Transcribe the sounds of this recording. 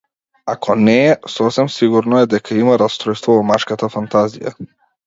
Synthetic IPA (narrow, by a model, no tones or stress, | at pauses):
akʰɔnɛːsɔfsɛmsiɡuɾnɔɛd̪ɛkʰaimaɾast̪ɾɔjst̪vɔvɔmaʃkat̪afant̪azḭja̰